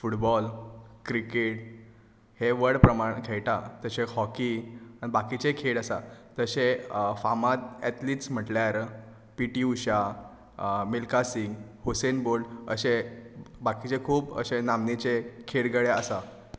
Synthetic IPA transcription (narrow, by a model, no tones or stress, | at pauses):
fuʈbɔlkɾikeʈ | heʋəɾɽpɾəmaɳkʰejʈat̪əɕehɔkiañibakit͡ɕekʰeɽəsat̪əɕefamat̪̚ɛt̪liʈsm̤əʈljaɾ | piʈiuɕa | melkasiŋɡhosenboɾɖə̰ɕebakit͡ɕekʰuːpə̰ɕenamnet͡ɕekʰeɽɡəɭeasa